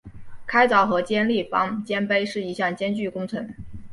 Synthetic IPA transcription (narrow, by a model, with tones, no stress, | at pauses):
kʰa˥ɪt͡sɑ˨˧˥ʊxɤ˧˥t͡ɕjɛ˥nli˥˩fɑ̰˧˥ŋt͡ɕjɛ˥npe˥ɪʂɻ̩˥˩i˧˥ɕjɑ˥˩ŋt͡ɕjɛ˥nt͡ɕy˥˩kʊ˥ŋt͡sʰɤ˧˥ŋ